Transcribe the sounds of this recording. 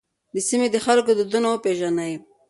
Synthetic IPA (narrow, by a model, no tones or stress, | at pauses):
d̪əsimed̪əxalkod̪əd̪unawəpeʒanaj